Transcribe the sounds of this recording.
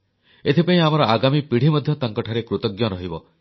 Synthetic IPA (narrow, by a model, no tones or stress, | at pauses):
et̪ʰipaĩamɔɾɔʔaɡamipiɽ̤imɔd̪ʱjɔt̪aŋkɔʈʰaɾekɾut̪ɔɡjɔɾɔɦibɔ